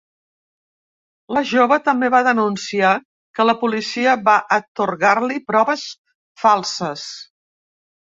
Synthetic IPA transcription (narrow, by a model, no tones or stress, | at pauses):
ləʒoβət̪əmbeβaðənunsia | kələpulisiəβaʔət̪uɾɣarlipɾɔβəs | falˠsəs